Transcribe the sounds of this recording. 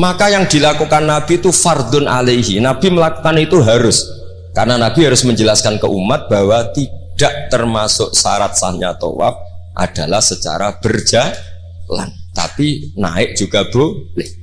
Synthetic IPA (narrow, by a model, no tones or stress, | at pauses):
makajaŋd̥̪i̤lakukanːab̥iːt̪ufard̪ʊnʔa̰leɦinab̥i̤məlakukanit̪uɦaɾʊs | karnanab̥iɦaɾʊsməɲd͡ʒəlaskankə̰ʔumat̪̚b̥a̤wat̪id̥a̤ʔt̪ərmasʊ̰ʔsa̰ɾat̪̚sahɲat̪o̰wa̰p̚ʔa̰d̥a̤lahsət͡ʃa̰ɾab̥ərd͡ʒ̥a | la̰nt̪a̰pina̰ɪʔ̚d̥ʒ̥uɡ̥a̤b̥olɪh